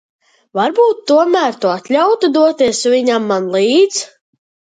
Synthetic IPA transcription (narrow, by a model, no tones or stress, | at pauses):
vaɾbuːt̪ːuɔmæːɾt̪uat̪lʲawt̪ud̪uɔt̪iɛsvʲiɲamːanlˠiːd̪z